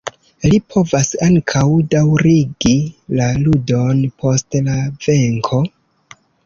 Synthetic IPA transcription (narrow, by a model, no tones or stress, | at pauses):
lipʰo̞vasaŋkʰawdawɾiɡilaludo̞npʰo̞stlave̞ŋkʰo̞